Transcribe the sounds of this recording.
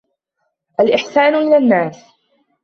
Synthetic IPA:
ʔalʔɪħsaːnʊʔɪlanːaːs

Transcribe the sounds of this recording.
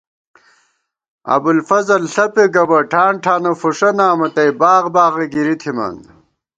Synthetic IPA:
ɐ̰bulfɐzɐlɬɐpeɡɐbɐʈʰaːɳʈʰaːnɐfuʂɐnaːmɐt̪ɐjbaːʁbaːʁɐɡiɾit̪ʰima̰ːn

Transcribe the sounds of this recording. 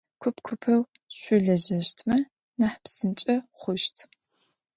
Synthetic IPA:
kʷʰʊpkʷʰʊpʰɐw | ɕʷʊɮɐʑɐɕtʰmɐ | naħpsɨnt͡ʃʼɐχʷʊʃtʰ

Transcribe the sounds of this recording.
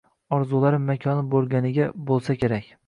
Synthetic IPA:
ɒɾzulˠaɾɪmːakʲʰɒnɪbolˠɡʲanɪɡʲabolˠsakʲʰe̞ɾakʲ

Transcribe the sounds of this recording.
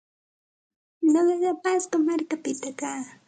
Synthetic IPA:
noɢɑɢɑpaskɑmaɾkapɪt̪akaː

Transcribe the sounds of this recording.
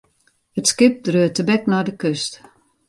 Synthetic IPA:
ətskɪp̚drøətəbɛknɔjdəkøst

